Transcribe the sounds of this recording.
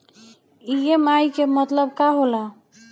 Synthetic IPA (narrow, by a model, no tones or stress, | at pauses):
ijemajkemət̪ləb̚kaɦola